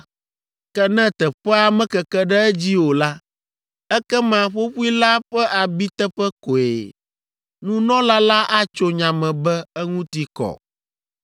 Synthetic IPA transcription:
kɛ˦nɛ̃˦t̪ɛ˨ɸɛ˦a˨mɛ̃˦kɛ˨kɛ˦ɖɛ˦ɛ˦d͡ʑi˦wo˨la˦ | ɛ˦kɛ˦mã˨ɸo˦ɸu˦i˦la˦ɸɛ˦ʔa˨bi˦t̪ɛ˦ɸɛ˦ko˨ḛ˨ | nũ˦nɔ̃˦la˦la˦ʔa˦t͡ʃo˦ɲã˨mɛ̃˨bɛ˦ɛ˦ŋũ˦t̪i˨kɔ̰˨

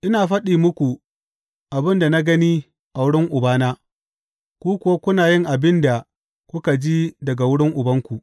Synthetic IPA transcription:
ʔɪ˦naː˨ɸɐ˦ɗiː˨mʊ˦kʷu˨ | ʔa˨bɪ˦nda˨na˦ɡɐ˦niː˦ | ʔa˨wʊ˦ɽɪ˦ŋʔʊ˨baː˦naː˦ | kʷuː˦kʷʊ˨wa˦kʷʊ˦naː˨jɪ˦ŋʔa˨bɪ˦nda˨ | kʷʊ˦ka˨d͡ʒiː˦dɐ˨ɡa˨wʊ˦ɽɪ˦ŋʔʊ˨bɐ˦ŋkʷu˨ʔ

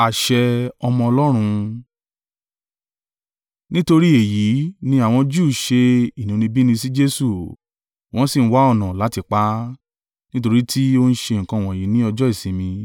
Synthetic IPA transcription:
a˨ʃɛ˧ɔ˧mɔ̃˧ɔ˧lɔ˦ɾ̃ũ˧ | nĩ˦to˧ɾi˦e˨ji˨˦nĩ˧˦a˦˨w̃ɔ̃˧d͡ʒu˦˨ʃe˧i˨nũ˨˧˦nĩ˧bi˦nĩ˧si˦d͡ʒe˦su˨ | w̃ɔ̃˨˦si˦˨ñ̩˦wa˦ɔ˦˨nã˨la˨˦ti˧k͡pa˦ | nĩ˦t̬o˧ɾi˦tʰi˦o˧n̩˦ʃe˧˨ŋ̩˨kã˧˦˨w̃ɔ̃˨ji˨˦nĩ˦ɔ˧d͡ʒɔ˦i˦˨sĩ˨˦mĩ˧

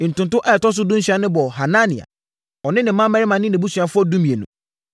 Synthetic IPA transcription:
n̩˨tʊ̃˨ntʊ̃˦ʔɛ˦˨tɔ˦s̬ʊ˦dʊ̃˦ɕᶣa˦nɪ̃˦bɔ˨ɦa˨nã˦nḭ̃˨a̰˨ | ɔ˨nɪ̃˦nɪ̃˨˦mã˦mɛ˦ɾɪ˦mã˨nɪ̃˦nɪ̃˨bu˦sɥa˨fʊ˦ɔ˦dũ˦mĩ˨e˨nũ˨

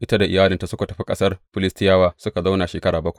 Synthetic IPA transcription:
ʔɪ˦ta˦da˨ʔɪ̰˨jaː˦lɪ˨nta˨sʊ˦ka˨tɐ˨ɸi˦kʼɐ̰˦sɐ˦rɸɪ˦lɪ˦stɪ˦jaː˦waː˦sʊ˦ka˨za˦wna˨ʃeː˨kɐ˦ɽaː˨bɐ˦kʷa˨ʔ

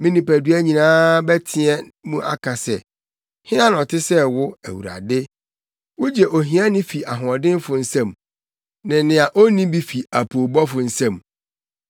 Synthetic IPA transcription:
mɪ̃˦nĩ˨pæ˨dɥæ˦ɲĩ˨nãː˦bɛ˦tʰɪ˦ɛ˦mũ˦ʔa̰˦kʰa˨sɛ̰˨ | hɪ̃˦nã˦nɔ̃˨tʰɪ˦sɛ˦wʊ˦æ̰˨wṵ˨ɾa̰˨dɪ˦ | wʊ˦d͡ʑɛ˨ʔo˨ɦĩ˦a˦nɪ̃˦fi˨ʔa˨ɦʊ̃˨ɔ˨dɪ̃˦n˦fʊ˨n̩˦sã˦m | nɪ̃˨nɪ̃˨a˨ʔo˦nĩ˦bi˦fi˨a˨pʰo˨bɔ˦fʊ˨n̩˦sã˦˨m

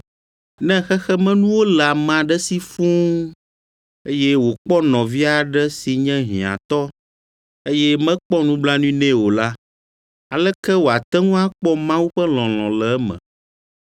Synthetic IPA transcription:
nɛ̃˦xɛ˦xɛ˦mɛ̃˦nũ˦wo˦lɛ˨a˨mã˨ɖɛ˦si˦fũ˦ | e˦jɛ˦wo˨k͡pɔ˦nɔ̃˨vi˦a˨ɖɛ˦si˨ɲɛ̃˦ɦḭ̃˨ã̰˨t̪ɔ˦ | e˦jɛ˦mɛ̃˦k͡pɔ˦nũ˦bla˦nũ˦i˦nɛ̃˦wo˨la˦ | a˨lɛ˦kɛ˦wo˨a˨t̪ɛ˦ŋũ˦a˦k͡pɔ˦mã˦wu˦ɸɛ˦lɔ̃˨lɔ̰̃˨lɛ˨˦mɛ̰̃˨

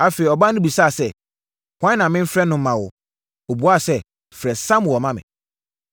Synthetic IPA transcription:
a˨fe˨i˨ɔ˨bã˦nʊ̃˦bi˨sa˦˨sɛ˦˨ | kʰʷã˦nã˨mɪ̃˦m̩˦fɾɛ˦nʊ̃˨m̩˦mã˨wʊ˨ | o˨bu˨˦a˦˨sɛ˦ | fɾɛ˨sã˦m˨ɔ˨mã˦mɪ̰̃˨

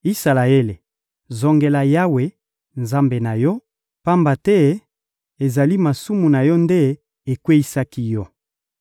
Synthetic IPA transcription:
i˦sa˨la˨e˦le˨ | zɔ˨ŋɡe˨la˨ja˦we˨ | nza˦mbe˨na˨jɔ˦ | pa˦mba˨tɛ˦ | e˨za˨li˦ma˨su˦mu˨na˨jɔ˦nde˦ | e˨kwe˦i˦sa˦ki˦jɔ˦

